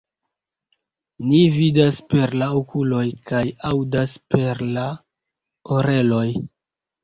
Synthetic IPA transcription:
nividaspe̞ɾlaokulo̞jkajawdaspe̞ɾla | oɾe̞lo̞j

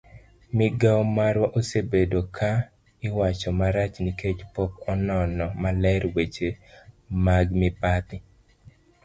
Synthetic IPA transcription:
mɪɡawmaɾwaʔosebedokʰa | ɪwat͡ʃɔmaɾat͡ʃniket͡ʃpɔkɔnɔnɔmalɛɾwet͡ʃe | maɡmɪpat̪ɪ

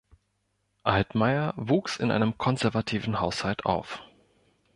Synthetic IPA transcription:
ʔaltmaɪɐvuːksɪ̰nʔa̰ɪnəmkʰɔnzɛɐvatʰiːvn̩haʊshaltʰʔa̰ʊf

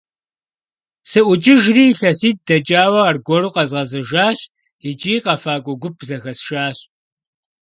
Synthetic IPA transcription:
sɨʔʷʊt͡ʃʼɪʒriːɬɐsiːt̚dɐt͡ʃʼaːwɐarɡʷɔɾuːqɐzʁɐzɨʒaːɕ | ɪt͡ʃʼiːqɐfaːkʷʼʊɡʷʊpʰzɐxɐsʃaːɕ

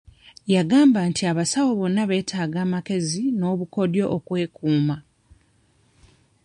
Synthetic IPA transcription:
jaɡaːmbantʰiaβasawo̞βo̞nːaβe̞ːtʰaːɡaːmake̞zino̞ːβuko̞djo̞̰ʔːkwe̞ːkuːma

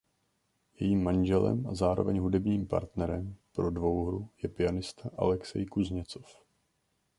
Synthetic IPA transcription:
jɛjiːmːanʒɛlɛ̰mʔazaːɾo̞vɛɲɦudɛbɲiːmpa̰ɾt̪nɛɾɛmpɾo̞dvo̞wɦɾujɛpɪanɪst̪aʔa̰lɛksɛ̰jkuzɲɛt͡so̞̥f

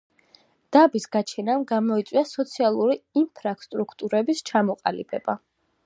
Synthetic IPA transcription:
d̪̥abisɡ̥at͡ʃʰɛnamɡamɔit̪sʼwiasɔt̪sʰialˠuɾiimpʰɾast̪ʼɾukʰt̪ʼuɾɛbist͡ʃʰamɔqʼa̰lḭb̥ɛ̰b̥a

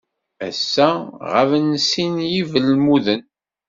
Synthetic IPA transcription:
æ̰sːæʁəvənsinjivəlmuðən

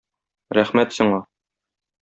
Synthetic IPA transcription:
ɾæχmæt̪sŏɴɑ

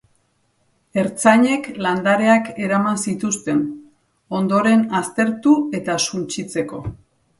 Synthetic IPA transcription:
e̞ɾt͡saɲe̞kland̪aɾe̞ake̞ɾamansit̪ust̪e̞n | o̞nd̪o̞ɾe̞nast̪e̞ɾt̪ue̞t̪asunt͡ʃit͡se̞ko̞̰

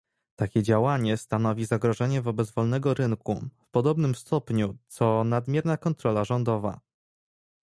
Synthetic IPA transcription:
t̪akʲɛd͡ʑawaɲɛst̪anɔvʲizaɡɾɔʐɛɲɛvɔbɛd̪zvɔlnɛɡɔɾɘŋkufpɔd̪ɔbnɘmst̪ɔpɲut̪sɔnad̪mʲjɛɾnakɔnt̪ɾɔlaʐɔnd̪ɔva̰

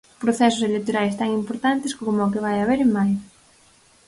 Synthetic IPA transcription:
pɾoθɛsʊselekt̪oɾajst̪aŋimpoɾt̪ant̪ɪskomʊak̬eβajaβeɾemaj

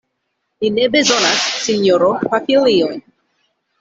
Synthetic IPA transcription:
linebezɔnasːiɲoɾopafiliɔj

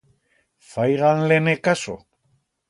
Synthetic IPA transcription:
fajɣanlenekaso̰

